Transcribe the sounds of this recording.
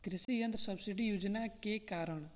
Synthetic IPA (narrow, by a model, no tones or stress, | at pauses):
kɾɪsijə̃nd̪ɾsəbsɪɖijuːd͡ʒnaːkeːkaːɾəɳ